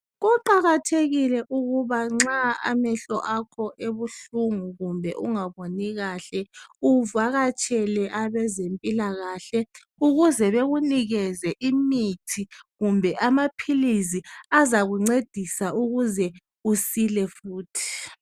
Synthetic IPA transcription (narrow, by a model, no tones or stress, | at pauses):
ɣuǃaɣatʰeɣilɛʔuɣuβaŋ͡ǁaa̰mɛɬɔ̰ʔakʰɔʔeβuɬuŋuɣumbʱɛʔuŋaβoniɣaɬɛuvaɣat͡ʃʼɛlɛʔaβɛzempʼilaɣaːɬɛ | uɣuzɛβeɣuniɣɛzɛʔimitʰiɣumbʱɛʔamapʰiliziazaɣuŋ͡ǀed̥ʱisaʔuɣuzɛ | usilɛfuːtʰi̥